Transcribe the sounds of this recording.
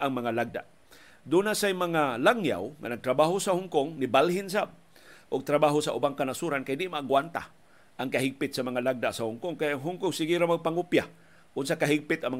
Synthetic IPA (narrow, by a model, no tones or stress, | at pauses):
ʔaŋmaŋalaɡ̚d̪a̰ʔ | d̪unasajmaŋalaŋja̰wŋa̰naɡ̚t̪ɾabaɦosahʊŋkʊŋnibalhɪns̬ab̚ | ʔʊɡ̚t̪ɾabaɦʊsaʔʊbaŋkanasuɾankajdɪʔmaʔːɡwant̪a̰ | ʔaŋkaɦɪɡ̚pɪt̪̚samaŋalaɡ̚d̪aʔsahʊŋkʊŋkajaŋɦʊŋkʊŋsɪɡiɾamaɡ̚paŋʊpja | ʔʊnsakaɦɪɡ̚pɪt̪aŋm